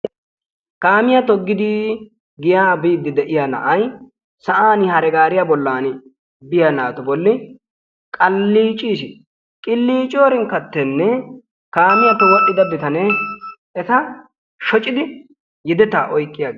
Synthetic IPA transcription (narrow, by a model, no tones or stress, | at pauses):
kaːmɪjɐt̪ɔɡːɪd̪ɪ | ɡɪjaːbiːd̪ːɪd̪ɛʔɪjaːnɐ̰ʔɐj | sɐʔaːnɪhɐɾɛɡaːɾɪjabɔlːaːn | bɪjanaːt̪ʊbɔlːɪ | kʼɐlːiːt͡ʃʼiːʃɪ | kʼɪlːiːt͡ʃʼjoːɾɪŋkɐt̪ːɛnːɛ | kaːmɪjat̪ɔwɔʔːɪd̪ɐbɪt̪ɐnɛ | ɛt̪ɐ | ʃɔt͡ʃʼːɪd̪ɪ | jɪd̪ɛt̪aːʔɔjkʼːɪjaːɡ